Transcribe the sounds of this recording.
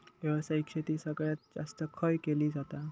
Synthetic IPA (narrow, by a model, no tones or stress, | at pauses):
t̪eʋ̤asəɦikɕet̪iːsəɡɭjat̪̚d͡za̰st̪əkʰəjkeliːd͡zat̪a